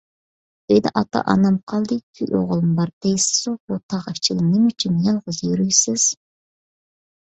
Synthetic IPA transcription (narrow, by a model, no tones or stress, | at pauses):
øjd̪ɛʔɑt̪ʰɑ̰ʔɑ̰nɑmqʰɑlˠd̪ɨkʲʰylʲo̰ʁəlˠɨmbɑɾd̪̥ejsɪ̥zobut̪ʰɑʁəft͡ʃʰilˠɪmnɪmyt͡ʃʰynjɑlˠʁəzjyɾyjsɪz̥